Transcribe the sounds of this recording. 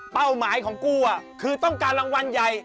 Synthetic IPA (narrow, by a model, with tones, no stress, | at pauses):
pa˥˩wmaː˩˦jkʰɔː˩˦ŋku˥˩ɐkʰɯː˧t̪ɔ˥˩ŋkaː˧nɾa˧ŋwa˧nja˨˧j